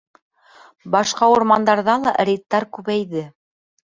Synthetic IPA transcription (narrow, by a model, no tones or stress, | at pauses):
bɑʃqɑuɾmɑnd̪ɑɾðɑlˠɑʔɾʲit̪ːɑɾkʉβæjðɘ